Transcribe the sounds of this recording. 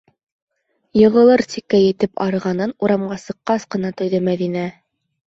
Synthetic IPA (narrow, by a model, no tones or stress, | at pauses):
jɤ̆ʁɤ̆lˠɤɾsikːæjɘ̆t̪ɘpɑɾɤ̆ʁɑnɤnuɾɑmɢɑsɤ̆qːɑsqɤ̆nɑt̪ŏjðɤmæðinæ